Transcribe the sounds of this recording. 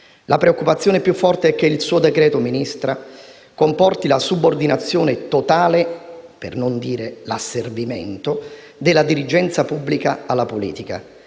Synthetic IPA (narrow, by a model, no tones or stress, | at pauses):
lʔapɾeokːupat̪sːjoːnepjufːɔrt̪eɛk̟ːeilsuːod̪ekɾɛːt̪ominist̪ɾa | kompɔrt̪ilasubord̪inat̪sːjoːnet̪ot̪aːlepḛrnond̪iːɾelasːervimḛnt̪o | d̪elːad̪iɾid͡ʒɛnt̪sapubːlikaalːapolḭːt̪ika̰